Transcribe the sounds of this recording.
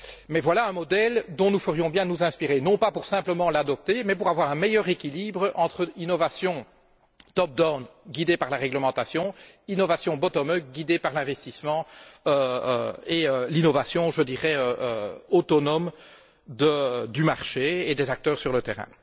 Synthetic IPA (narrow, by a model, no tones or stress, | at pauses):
mɛvwalaɛ̃mɔd̪ɛld̪ɔ̃nufəʁjɔ̃bjɛ̃nuzɛ̃spiʁenɔ̃papuʁsɛ̃pləmɑ̃lad̪ɔp̚t̪emɛp̬uʁavwaːʁɛ̃mɛjœːʁekʲiliːbʁəʔɑ̃t̪χəinɔvasjɔ̃ | t̪ɔp̚d̪ɔnɡʲid̪epaʁlaʁɛɡləmɑ̃t̪asjɔ̃ | inɔvasjɔ̃bɔt̪ɔmœk̚ɡʲid̪epaʁlɛ̃vɛst̪ismɑ̃ø̰ | eølinɔvasjɔ̃ʒəd̪iʁɛøøot̪ɔnɔm | d̪əd̪ymaʁʃeed̪ɛzak̚t̪œːʁsyʁlət̪ɛʁɛ̰̃